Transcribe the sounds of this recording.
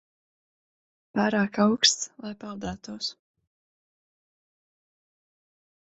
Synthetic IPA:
paːɾaːkawkst̪slˠajpalˠd̪aːt̪uɔs

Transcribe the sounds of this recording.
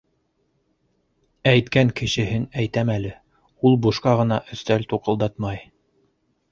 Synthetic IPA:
æjt̪kæŋkɘ̆ʃɘ̆ɦɘnæjt̪æmælɘ | ulˠbuʃqɑʁɤ̆nɑʔɵ̆st̪ælt̪uqɤ̆lˠd̪ɑt̪mɑj

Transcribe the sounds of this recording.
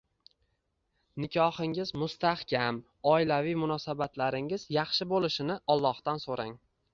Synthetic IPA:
nɪkʲʰɒhɪŋɪzmʊst̪ahkʲʰam | ɒɪlavijmʊnɒsabat̪laɾɪŋɪzjɑχʃɪbolɪʃɪnɪʔɒlˠːɒhd̪ansoɾaŋ

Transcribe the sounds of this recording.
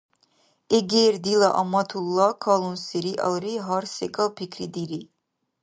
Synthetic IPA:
eɡeɾd̪ilaʔɑmɑt̪ʰulˠːakʰɑlˠunseɾiʔa̰lˠɾiɦɑɾsɛkʼalpʰikʰɾid̪iɾi

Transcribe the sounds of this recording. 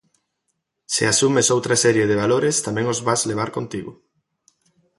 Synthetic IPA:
sɪasumesowt̪ɾasɛɾjeðɪβ̞aloɾest̪amɛ̃ŋozβazleβ̞aɾkont̪iɣʊ

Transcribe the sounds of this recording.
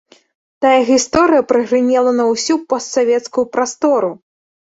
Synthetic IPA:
t̪ajɐɣʲist̪ɔɾɨjɐpɾɨɣɾɨnʲɛlˠɐnɐwsʲupɔst̪savʲɛt̪skujupɾast̪ɔɾu

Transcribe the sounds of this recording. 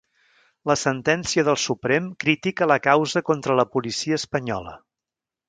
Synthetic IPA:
ləsənt̪ɛnsiəðəlˠsupɾemkɾit̪ikələkawzəkont̪ɾələpulisiəːspəɲɔ̰lə̰

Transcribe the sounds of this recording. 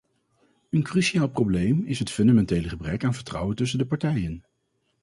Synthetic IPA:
ənkryʃiaːlˠprowblejmɪsɦətfɵndamɛntejləχəbrɛkaːnvəɹtrʌ̰wəntɵs̬əndəpɑɹtɛjən

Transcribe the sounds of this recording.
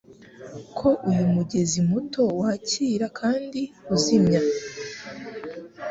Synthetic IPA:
kʰo̞ʔujumuɟe̞zimuto̞waːciːɾakʰaːndiuzimɲa

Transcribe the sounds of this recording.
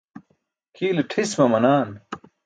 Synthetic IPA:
kʰiːlʈʰiswɐmɐnaːn

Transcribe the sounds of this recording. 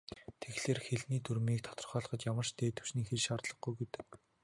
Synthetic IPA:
t̪ʰeɣɮ̥eːrxeɮniːt̪ʰuɾmiːk̚t̪ʰɔ̥t̪ɞ̆rχɔːɮχɞ̆t͡ɕjamə̆r̥ʃt̪ʰeːt̪ʰɵ̥wʃniːxerʃaːrt̪ɮɞ̆χɡujɡut̪ɘ̆k̚

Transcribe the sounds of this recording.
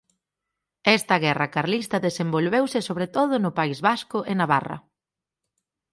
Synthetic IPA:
ɛst̪ɐɣɛrɐkaɾlist̪ɐðesembolβewsɪsoβ̞ɾet̪oðʊnʊpaizβaskʊʔɪnaβa̰rɐ̰

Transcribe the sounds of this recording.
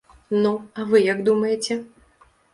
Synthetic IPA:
nuɐvɨjɐɡd̪umɐjet͡sʲɛ

